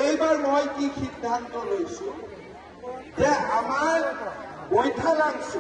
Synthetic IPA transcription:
ejbaɹmojkixid̪ʱːant̪ɔlojsũ | zɛamaɹbojtʰalaɡsũ

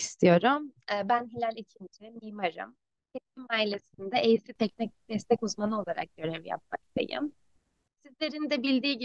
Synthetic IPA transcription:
st̪ʰijo̞ɾumɛbænɦelʲælʲicʰint̪ʰimijmaɾɯ̰m | t̪ʰɛs̚cʰimaːilʲesind̪ɛʔejsit̪ʰɛcnicd̪̥ɛst̪ʰɛcuzmanɯo̞lˠaɾa̰k̚ɟø̞ɾɛvja̰p̚ma̰kd̪ʰḛjḭm | sizlʲe̞ɾinid̪ɛbilʲd̪iːɟi

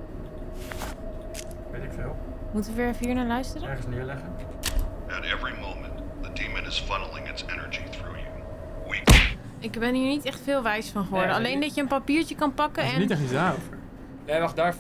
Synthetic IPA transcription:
ʋetɪkfɪlˠ | mutəʋəʋɪːɹfiːɹnaːlœɥstərəɛəsnɪɹlɛχən | əɾɛ̰vɹimõʊ̃mə̃nt̪ðədĩmɨ̃nɨz̥fʌnl̩ˠɪ̃ŋɨtsɛnə̰˞d͡ʒiθɹṵjṵ | wik | ɪkbɛnɦiːɹnitɛχtfɪːlˠʋɛjsfɑnχəʋɔɹdəalejndɑtjəənpapiːɹt͡ʃəkɑnpɑkəɛnittɛχtisdaːovəɹ | neχdaːɹ

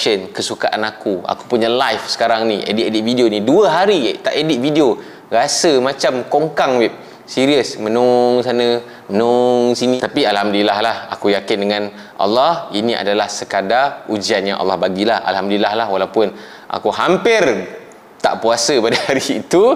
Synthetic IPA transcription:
ʃənkəsukaʔanakua̰ku̥puɲalajfsə̥kaɾaŋnĩʔḛdiʔedit̪̚vidionĩduəɦaɾit̪aʔedɪt̚vidio | ɾasəmãt͡ʃamkoŋkaŋwɛp̚ | siɾiəsmənɔŋs̬anə̃ | mənɔŋsinĩt̪apialhamdilahlaha̰kujakɪndəŋãn | ʔɑ̰lːɑhinĩʔa̰dalahsəkadaud͡ʒianɲaʔɑ̰lːɑhbaɡilahʔa̰lɦamdilahlahwalawpʊn | ʔa̰kuɦampɪr | t̪a̰ʔpuasəpadahaɾiːt̪u

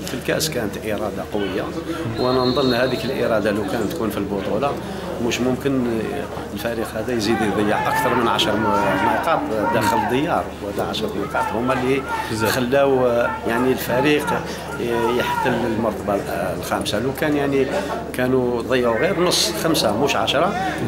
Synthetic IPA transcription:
filkæʔskænət̪ʔəɾˤɑd̪ɑqowːəjːa̰wʔænænd̪ˤənːhæd̪ikəlʔḭɾˤɑd̪alæwkænt̪kunfilbot̪ˤula | mʊʃmʊmkən | əlfæɾiqhæd̪æjzid̪id̪ˤəjːɑʕʔək̚t̪ɑɾˤmənʕaʃɾˤmiqɑt̪ˤd̪æxəld̪əjːɑɾˤhæd̪æʕaʃɾˤmiqɑt̪ˤhʊmːælːixəlːæwjaʕnilfæɾiq | jəħt̪ːələlmʊɾt̪ɑbɑllxæmsalukænjaʕnikænud̪ˤəjːʕuɣiɾnəsˤːxæmsamʊʃʕa̰ʃɾˤɑ

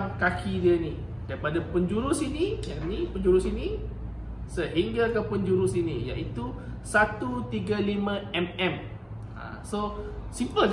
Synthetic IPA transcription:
ŋkakʰidiəni | d̥aipadapəɲd͡ʒuɾʊsinĩɛmnipəɲd͡ʒuɾʊsinĩ | səɦiŋɡəlkəpəɲd͡ʒuɾʊsinija̰ʔit̪u | sat̪ut̪iɡəlimə̃ɛmɛ̃m | ã̰ | sosimpəl

